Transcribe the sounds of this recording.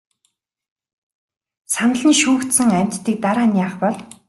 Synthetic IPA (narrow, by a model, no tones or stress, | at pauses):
sanə̆ɮniːʃuːkt̪sɘ̆ŋæm̥ʲt̪ːiːk̚t̪aɾaːnjaːχpɔɮ